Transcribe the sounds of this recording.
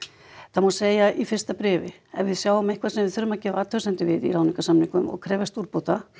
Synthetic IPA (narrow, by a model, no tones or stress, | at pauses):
θamawseːjaʔifɪr̥st̪apɾɛːvɪ | ɛnvɪðsjaːwʏmehkʰvasɛmvɪðθʏɾʏmacɛːvaːt̪ʰœsɛnt̪ɪvɪðḭɾawniŋkasamniŋkʏmɔ̰ɣkʰɾɛːvɛst̪uɾpowt̪a